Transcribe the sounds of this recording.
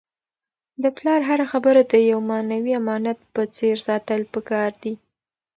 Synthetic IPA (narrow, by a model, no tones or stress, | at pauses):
d̪əplɑɾɦaɾaxabəɾad̪əjawmɑnawiamɑnat̪̚pət͡seɾsɑt̪əlpəkɑɾd̪i